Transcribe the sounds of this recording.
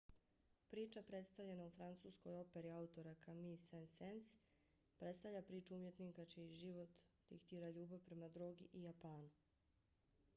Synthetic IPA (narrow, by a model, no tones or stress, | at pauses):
pɾiːt͡ʃapɾe̞t̪st̪aʋʎe̞naufɾant̪suːskojo̞pe̞ɾiaut̪o̞ɾakamisensens | pɾe̞t̪st̪avʎapɾiːt͡ʃuumje̞t̪nikat͡ʃiiʒiʋo̞t̪d̪̥ḭkt̪iːɾaʎuːbaʋpɾe̞mad̪ɾoːɡiʔijapaːnu